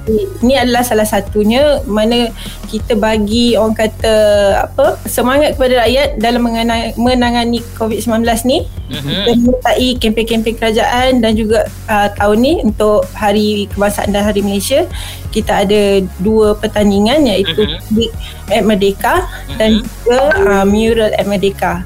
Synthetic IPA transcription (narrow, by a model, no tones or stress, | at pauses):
iiniadalahsalahsat̪uɲamanə | kit̪əbaɡioɾaŋkat̪aa̰pəsəmaŋat̪̚kəpadaɾajat̪̚dalamːəŋənamənaŋanikovit̪səmlanbəlasnihkit̪əmŋət̪aʔikɛmpɛŋkɛmpɪŋkəɾad͡ʒaʔandand͡ʒuɡa | ət̪aʊnːiunt̪ʊʔhaɾikəbaŋsaʔa̰ndalɦaɾimalajsia | kit̪aaːdaduəpərt̪aniŋanjait̪upalɪk̚ | ɛt̪̚mədeka | dand͡ʒuɡamjuɾalɛ̰t̪̚mədeka